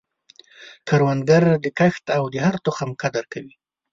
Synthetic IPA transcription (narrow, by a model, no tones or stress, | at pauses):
kaɾwanɡaɾd̪əkaxt̪awd̪əhaɾt̪oxamkad̪aɾkawi